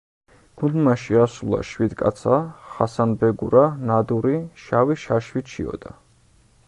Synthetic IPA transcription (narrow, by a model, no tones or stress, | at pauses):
ɡ̥und̪maʃiasulˠa̰ʃwid̪kʼa̰t̪sʰaχasanbɛɡuɾanad̪uɾiʃawiʃaʃwit̪ʃḭɔ̰d̪a